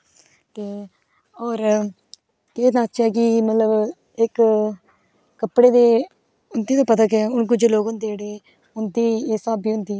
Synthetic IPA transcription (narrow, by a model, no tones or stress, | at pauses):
t̪eː | ɔːɾ | keːnaːt͡ʃɛːk̬ɪmət̪ləb | ɪk | əpɽeːd̪eː | ʊnd̪iːt̪õːpət̪aːk̬eʊnkʊd͡ʒeloːkʊnd̪eːɽeː | ʊnd̪iːeːsaːbiːɦʊnd̪iː